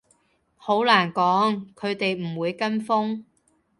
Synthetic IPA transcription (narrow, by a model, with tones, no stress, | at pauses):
ho˨˥wlaː˨˩nkɔː˨˥ŋkʰɵ˨˧ɥt̪e˨jm̩˨˩wuː˨˧jkɐ˥nfʊ˥ŋ